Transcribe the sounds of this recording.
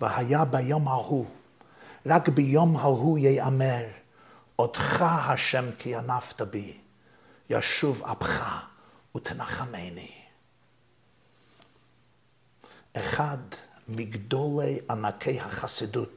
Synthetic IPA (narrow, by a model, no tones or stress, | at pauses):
vɪhajabajɔmhahu | ɾakbɪjɔmhahujejamɛɾ | ɔd̥χahaʃɛmkʰɪjanaftabi | ja̰ʃuva̰pχa | utʰənaχameɪni | ɛχadmɪɡdɔlˠeɪʔanakʰeɪhaχasidut